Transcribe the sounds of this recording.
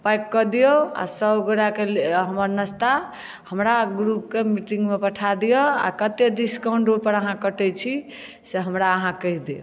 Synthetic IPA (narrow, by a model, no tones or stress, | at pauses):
pajkːɔd̪ijoa̰səbɡoɾakelɦəməɾnəst̪a | həmɾaɡɾup̚kemiʈĩŋɡmepəʈʰad̪ijɔa̰kət̪jeɖiskaũɳɖɾopəɾəɦãkəʈɛt͡ʃʰi | seɦəmɾaəɦãkəɦid̪ijo̰